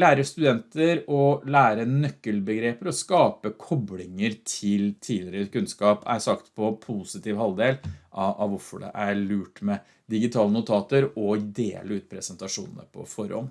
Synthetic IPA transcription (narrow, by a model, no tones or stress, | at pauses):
læːɾəst̪ʉd̪ɛnt̪əɾɔlæːɾənœkːəlbəɡɾeːpəɾɔskɑːpəkʰɔblɪŋəɾt̪ʰɪlt̪ʰiːlɪɾəkʉnskɑːpæ̰sɑkt̪pʰɔpʰuːsɪt̪iːʋɦɑld̪eːlʔɑʔɑʋʋʊɾfɔɖɛ̰ʔæɾɭʉːʈmɛ | d̪ɪɡɪt̪ʰɑːlənʊt̪ʰɑːt̪əɾɔd̪ḛːləʉːt̪̚pʰɾɛsɛnt̪ɑʂṵːnənə̰pʰɔ̰fɔɾɔ̰m